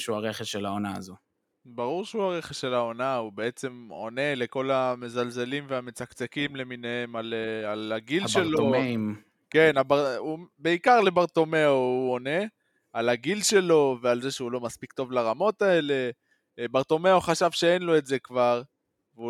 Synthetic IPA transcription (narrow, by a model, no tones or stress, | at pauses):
ʃuaʁeχeʃelaonaa̰zo | baʁuʁʃeuaʁe̞χesʃe̞lao̞naube̞e̞t͡se̞mo̞̰ne̞le̞ko̞lame̞zalze̞limveame̞t͡sakt͡sekimle̞minehe̞malalaɡilʃeloomeim | ke̞nabaubeikaʁle̞baʁt̪o̞me̞ouone̞ | alaɡilʃe̞lo̞ve̞alze̞ʃeulo̞maspikt̪o̞vlaʁamo̞tae̞le̞ | baʁt̪o̞me̞oχaʃavʃe̞enlo̞etze̞kvaʁ | vu